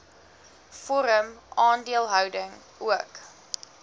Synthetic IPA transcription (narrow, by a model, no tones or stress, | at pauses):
fɔɾəmʔɑːndiəlˠɦœwdəŋ | uək